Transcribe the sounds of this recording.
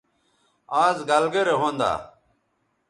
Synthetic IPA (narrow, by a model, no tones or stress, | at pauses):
aːzɡɐlɡəɾeɦõːnd̪a̰ː